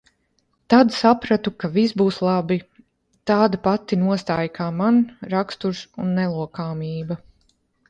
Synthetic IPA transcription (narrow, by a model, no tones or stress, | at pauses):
t̪ad̪sapɾat̪ukavisbuːslˠabi | t̪aːd̪apat̪inuɔst̪aːjkʰaːmanɾakst̪uɾsunːɛlˠuɔkaːmiːba